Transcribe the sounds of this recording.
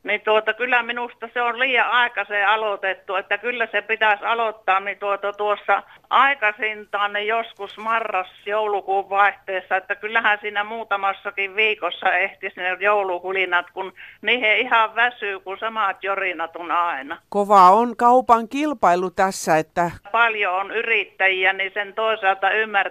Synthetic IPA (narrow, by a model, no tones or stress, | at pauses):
nit̪uot̪ɑkylːæminust̪ɑseolliːjɑʔɑˑekɑseɑlot̪et̪ːuet̪ːækylːæsepit̪æsɑlot̪ːɑːnnit̪uot̪ɑt̪uosːɑʔɑˑikɑsint̪ɑːnnijoskusmɑrːɑsjoulukuːʋʋɑˑeht̪eːsːɑet̪ːækylːæhænsiːnæmuːt̪ɑmɑsːɑkiʋʋiːkosːɑeht̪isnejoulukulinɑt̪kunniːheihɑʋʋæsyːkusɑmɑt̪jorinɑt̪onɑˑinɑkoʋɑˑonkɑupɑŋkilpɑilut̪æsːæet̪ːæpɑljoonyrit̪ːæjiænisent̪oˑisɑlt̪ɑymːær